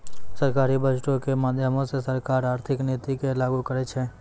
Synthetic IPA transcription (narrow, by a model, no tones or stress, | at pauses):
səɾkaːɾibəd͡ʒʈõkemaːd̪ʱjəmõsesəɾkaːɾaːɾt̪ʰɪkneːt̪ikelaːɡukəɾet͡ʃʰeː